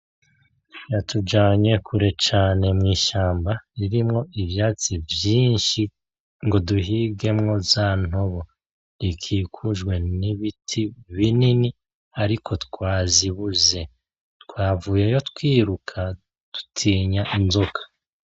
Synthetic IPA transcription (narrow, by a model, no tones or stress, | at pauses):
jatʰud͡ʒaːɲe̞kʰuɾe̞t͡ʃaːne̞mŋiːʃaːmbaɾiɾimŋo̞ivjaːt͡sivjiːnʃi | ŋɡo̞duɦiːɡe̞mŋo̞zaːn̥o̞βo̞ | ɾikʰiːkʰuʒɡwe̞niβitʰiβinini | aɾikʰo̞tkwaːziβuze̞ | tkwaːvuːje̞jo̞tkwiːɾukʰa | tu̥tʰiːɲaʔinzokʰḁ